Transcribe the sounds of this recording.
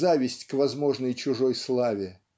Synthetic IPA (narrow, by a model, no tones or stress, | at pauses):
avʲɪsʲtʲkvɐzmo̞ʐnəjt͡ɕʊʐo̞jslˠavʲɪ